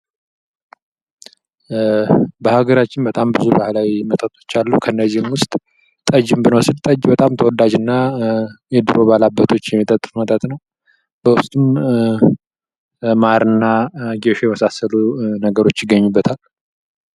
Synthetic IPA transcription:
bəhaɡəɾat͡ʃːɪnbət̪ʼambɨzubahlawimət̪ʼət̪ʼo̞̥t͡ʃːalːukʰənːəzːihɨmwʊst̪ʼ | t̪ʼəd͡ʒɨmbɨnəwsɨlt̪ʼəd͡ʒbət̪ʼamt̪ʰəwɔd̪ad͡ʒɨnːa | jɛd̪ɨɾo̞balabːət̪ʰo̞t͡ʃːjɛmːit̪ʼət̪ʼːɨfmət̪ʼət̪ʼnəw | bəwʊst̪ʼum | maɾɨnːaɡeʃojɛməsasːəlunəɡəɾo̞t͡ʃːjɪɡːəɲːubːət̪ʰal

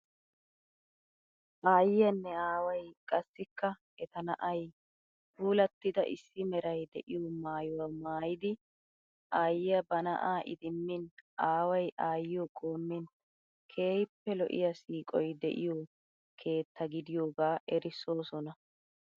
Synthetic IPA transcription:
ʔaːjɪjɐnːɛaːwɐjkʼɐsːɪkːɐ | ɛt̪ɐnɐʔɐj | huːlɐt̪ːɪd̪ɐʔɪ̰sːɪmɛɾɐjd̪ɛʔɪjomaːjʊwɐmaːjɪd̪ɪ | ʔaːjɪjɐbɐnɐ̰ʔaːʔɪ̰d̪ɪmːɪnʔaːwɐjʔaːjɪjɔkʼo̞ːmːɪn | kʰe̞ːjpːɛlɔ̰ʔɪ̰jɐsiːkʼɔjd̪ɛ̰ʔɪ̰jo | kʰe̞ːt̪ːɐɡɪd̪ɪjo̞ːɡaːʔɛɾɪsːo̞ːsɔnɐ

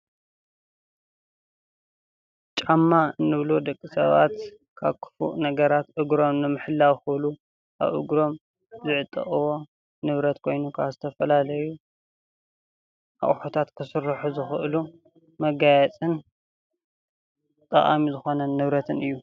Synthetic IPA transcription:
t͡ʃʼamːaɨnːɨβlod̪ɐkʼːisɐβa̰t̪ | kʰa̰βkʰɨ̥fṵʔnɐɡɐɾat̪ʔɨɡɾo̞mnɨmɨħɨlːawxɨβlu | ʔa̰βʔɨ̰ɡɾo̞m | zɨʕɨt̪ʼːɐ̰ʔʼɨwo̞ | nɨβɾɐt̪kʰo̞jnukʰa̰βzɨt̪ʰɐfɐlalɐju | ʔa̰ʔʼħot̪ʰat̪kʰɨsɨɾːɨħuzɨxɨʔlu | mɐɡajɛt͡sʼɨn | t̪ʼɐ̰ʔʼa̰mizɨxo̞nɐnɨβɾɐt̪ʰɨnɨjːu

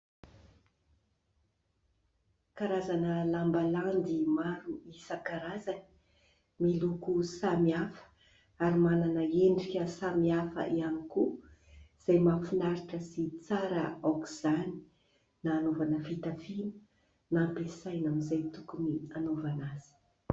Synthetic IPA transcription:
kaɾazanəlambaland̪imaɾuisəkaɾazani̥ | milukusamiafə̥ | aɾimananəeɳɖ͡ʐikʲəsamiafə̰ʔianiku | z̥ajmafinaɾiʈ͡ʂəsit͡saɾəokuz̥ani̥ | naːnovanəfit̪afinə̥ | napesajnamizajt̪ukunianovanaz̥i̥

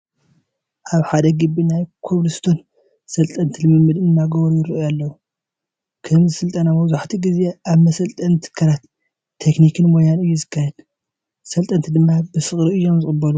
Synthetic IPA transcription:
ʔaβħad̪ɐɡɨbinajkʰoβlɨst̪ʰon | sɐlt̪ʼɐnt̪ʰilɨmɨmːɨd̪ɨnːaɡɐβonjɪɾiʔojalːɐwu | kʰɐmzɨsɨlt̪ʼɐnamɐβzuħt̪ʰiɡize̞aβmɐsɐlt̪ʼɐnt̪ʰɨ̥kʰːɐɾat̪ʰː | eknikʰɨnmojanɨjːuzɨkʰːajɛd̪ | sɐlt̪ʼɐnt̪ʰid̪ɨmːabɨsɨχʼɾiɨjːo̞mzɨxʼɨbːɐlu

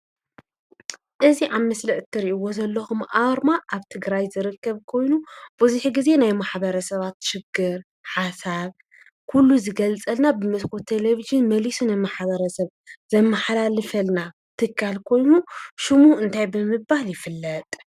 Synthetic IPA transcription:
ʔɨziʔammɐslɐʔt̪ʰːɨɾiʔiwozɐlːɐxumʔaɾmaʔaβt̪ʰɨɡɾajzɨɾɨkːɐβkʰo̞jnub̥uzuħiɡize̞najmaħbɐɾɐsɐβat̪ʃɪɡːɨɾ | ħasaβ | kʰulːuzɨɡɐlt͡sʼɐlnabɨmɨskʰot̪ʰeleviʒɨnmɐlisunajmaħβɐɾɐsɐβ | zɐmːaħalalɨfɐlna | t̪ʰɨkʰːalkʰo̞jnuʃumuhʔɨnt̪ʰajbɨmɨbahljɪfɨlːɐt̪ʼ

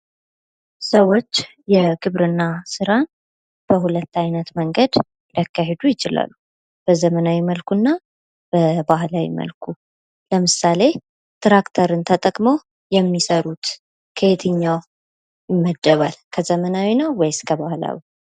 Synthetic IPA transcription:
səwo̞t͡ʃː | jɛɡɨβɾɨnːasɨɾan | b̥əhulət̪ːajnət̪məŋɡəd̪ | ld̪akːaɦe̞d̪ujɪt͡ʃɪla̰lːu | b̥əzəmənawiməlkʰunːa | b̥əbahlawḭmə̰lkʰu | ləmɨsale̞ | t̪ɾakt̪ʰəɾɨnt̪ʰət̪ʼəkʼmow | jɛmːisəɾut̪ | kʰəet̪ʰɨɲːaw | jɪmːəd̪ːəβalkʰəzəmənawinəwwɔjɪskʰəβahla̰wi

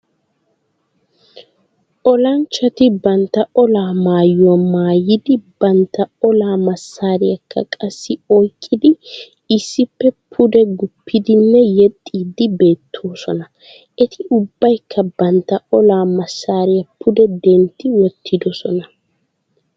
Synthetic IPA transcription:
ʔɔlɐnt͡ʃːɐt̪ɪbɐnt̪ːɐɔlaːmaːjːʊwɐmaːjːɪd̪ɪbɐnt̪ːɐɔlaːmɐsːaːɾɪjɐkʰːɐ̰kʼɐsːɪɔjkʼːɪd̪ɪ | ɪsːɪpːɛpʰʊd̪ɛɡʊpʰːɪd̪ɪnːɛjɛt̪ʼːiːd̪ɪbe̞ːt̪ʰːo̞ːsɔnɐ | ʔɛt̪ʰɪʔʊbːɐjkʰːɐbɐnt̪ːɐɔlaːmɐsːaːɾɪjɐpʰːʊd̪ɛd̪ɛnt̪ːɪwɔt̪ʰːɪd̪ɔsɔnɐ

